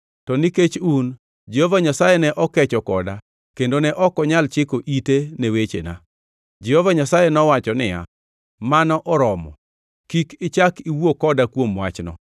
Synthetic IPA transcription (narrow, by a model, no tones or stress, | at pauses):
tɔniket͡ʃun | d͡ʒɛhovaɲasajenɛʔɔkɛt͡ʃɔkɔda | kendonɛʔɔkɔɲalt͡ʃɪkoʔitenewet͡ʃḛna̰ | d͡ʒɛhɔvaɲasajenɔwat͡ʃɔnɪja̰ | manɔʔɔɾɔmɔ̰ | kikɪt͡ʃakiwokɔdakwomwat͡ʃnɔ̰